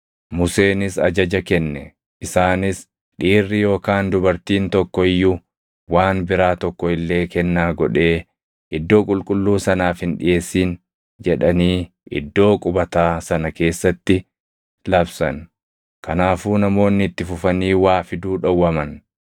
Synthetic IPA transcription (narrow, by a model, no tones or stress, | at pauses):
mʊse̞ːnɪsɐ̰d͡ʒɐd͡ʒɐkɛnːɛ | ɪsaːnɪs | ᶑiːrːɪjo̞ːkaːnd̪ʊbɐɾt̪iːnt̪ɔkːɔɪjːʊ | waːnbɪɾaːt̪ɔkːɔɪlːe̞ːkɛnːaːɡɔᶑe̞ː | ʔɪd̪ːo̞ːkʼʊlkʼʊlːuːsɐnaːfhɪnᶑɪ̰ʔe̞ːsːiːn | d͡ʒɛᶑɐniː | ʔɪ̰d̪ːo̞ːkʼʊbɐt̪aːsɐnɐke̞ːsːɐt̪ːɪ | lɐbsɐ̰n | kɐnaːfuːnɐmo̞ːnːɪɪt̪ːɪfʊfɐniːwaːfɪd̪uːᶑɐwːɐmɐn